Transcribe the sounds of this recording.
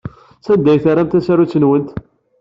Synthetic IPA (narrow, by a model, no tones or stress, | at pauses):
sæd̪ːæjθaɾæmt̪æsaɾut͡sːənwənt̪